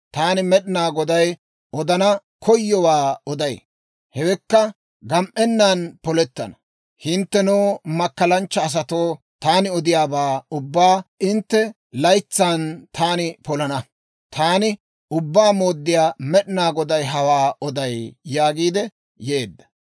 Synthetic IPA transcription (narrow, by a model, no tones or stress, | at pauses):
t̪aːnɪmɛɗɪnaːɡɔd̪ɐj | ɔd̪ɐnɐkʰɔjːɔwaːɔd̪ɐj | hɛwɛkːɐ | ɡɐmʔɛnːaːnpɔlɛt̪ːɐ̰nɐ | hɪnt̪ːɛnoːmɐkːɐlɐnt͡ʃːɐːs̬ɐt̪oː | t̪aːnɪɔd̪ɪjaːbaːʊbːaːɪnt̪ːɛ | lɐjt͡sːaːnt̪ʰaːnɪpɔlɐnɐ | t̪ʰaːnɪ | ʊbːaːmo̞ːd̪ːɪjaːmɛɗɪnaːɡɔd̪ɐjɦɐwaːɔd̪ɐjːaːɡiːd̪ɛ | je̞ːd̪ːɐ̥